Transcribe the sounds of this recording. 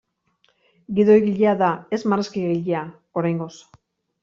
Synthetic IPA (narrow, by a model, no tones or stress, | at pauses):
ɡiðo̞jɣiʎeaðae̞zmareskiɣiʎea | o̞ɾajŋɡo̞s